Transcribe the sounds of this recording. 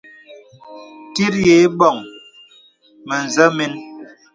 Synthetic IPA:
ti˦ɾje˨˦ɓɔ˨ŋ | mə˨n˨zə˦mi˦n

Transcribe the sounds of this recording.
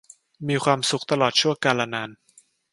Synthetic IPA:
miː˧kʰwaː˧msu˨˩˦k̚t̪a˧lɔː˨˩t̪̚t͡ɕʰu˥˩əŋkaː˧laː˧naː˧n

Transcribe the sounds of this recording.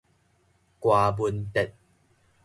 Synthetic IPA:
kwaː˨˩bu˧ənt̪ɛ˨t̚

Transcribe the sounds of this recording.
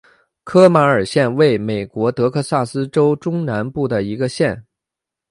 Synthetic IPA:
kʰɤ˥ma˧˥ə˞˨˩ɕjɛ˥˧nwe˥˩ɪme˨˩ɪkwɔ˧˥t̪ɤ˧˥kʰɤ˥˧sa˥˩sɹ̩˥ʈ͡ʂo˥ʊʈ͡ʂʊ˥ŋna˧˥npu˥˩d̪ə˩i˧˥ɡə˧ɕjɛ˥˩n

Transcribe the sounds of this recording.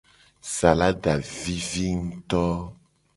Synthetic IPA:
sa˨la˦ɖa˨vi˦vi˦ŋ̩˦t̪ɔ˦

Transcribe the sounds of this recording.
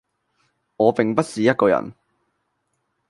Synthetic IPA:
ŋɔː˨˧pɪ˨ŋpɐ˥t̚siː˨˦jɐ˥t̚kɔː˧jɐ̰˨˩n

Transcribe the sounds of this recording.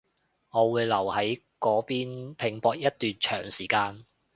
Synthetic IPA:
ŋɔː˨˧wuː˨˧jlɐ˨˩whɐ˨˥j | kɔː˨˥piː˥npʰɪ˨˧ŋpɔː˧k̚jɐ˥t̚t̪yː˨nt͡ʃʰœː˨˩ŋsiː˨˩kaː˧n

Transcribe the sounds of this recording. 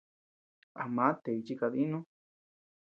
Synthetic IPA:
a˧˨mã˨˦t̪e˨i˧t͡ʃi˧ka˧ði˦nũ˦

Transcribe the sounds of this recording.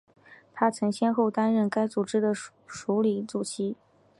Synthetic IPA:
t̪ʰa˥t͡sʰɤ˧˥ŋɕjɛ˥nxo˥˩ʊt̪a˥nɻə˥˩nka˥ɪt͡su˨˩ʈ͡ʂɻ̩˥d̪ə˨ | ʂu˧˥li˧˥t͡su˨˩ɕʰi˥

